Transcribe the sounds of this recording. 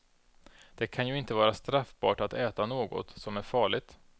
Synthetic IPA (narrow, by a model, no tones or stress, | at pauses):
d̪̥ɛkʰanjɵɪnt̪əvɑːɾast̪ɾafbɑ̰ːʈat̪ɛːt̪anoːɡɔ̰t̪sɔmæɾfɑːɭɪɡ̚t̪